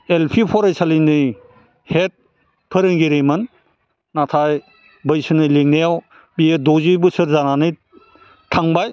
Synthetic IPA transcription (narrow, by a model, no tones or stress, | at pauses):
elpʰipʰɔɾejsʰalinɯj | het̚ | pʰɯɾɯŋɡiɾemɯnː | atʰaj | bɯjsɯnɯleŋneaw | biedɔzibɯsɯɾzananɯj | tʰaŋbaj